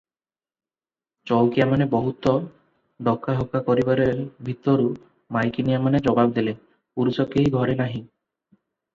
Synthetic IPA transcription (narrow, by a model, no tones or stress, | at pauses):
t͡ʃɔwkijamanebɔɦut̪ɔ | ɖɔkaɦɔkakɔɾibaɾebʱit̪ɔɾu | majkinijamaned͡ʒɔbabd̪ele | puɾusɔkeɦiɡʱɔɾenaɦĩ